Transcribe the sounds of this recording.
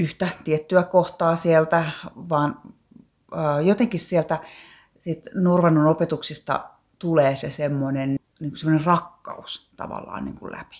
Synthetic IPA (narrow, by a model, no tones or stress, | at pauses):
yht̪æt̪iet̪ːyækoht̪ɑːsielt̪æʋɑːn | əːjot̪eŋkissielt̪æ | sit̪nurʋɑnːonopet̪uksist̪ɑ̰ | t̪uleːsesemːonen | niːŋkusemːŏnerɑkːɑ̰ust̪ɑ̰ʋɑ̰lːɑ̰ːnnḭːŋkṵllʔæ̰pi̥